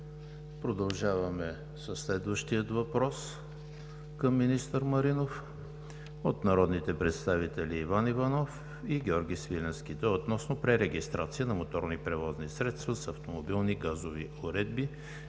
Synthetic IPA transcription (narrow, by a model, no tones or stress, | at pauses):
pɾod̪ɐlˠʒavɐmɛ | səsːlɛd̪vəʃt̪iət̪vɐpɾɔs | kəmːinist̪əɾmɐɾinof | ot̪nɐɾɔd̪nit̪ɛpɾɛt̪st̪avit̪ɛliːvanivɐnɔf | iɡʲɔɾɡʲisvilʲɛnskʲid̪əot̪nɔsnopɾɛɾɛɡʲist̪ɾʔa̰t̪siənɐmot̪ɔɾnipɾɛvɔznisɾɛt̪st̪vəsɐft̪omobilˠniɡazovioɾɛd̪̚bi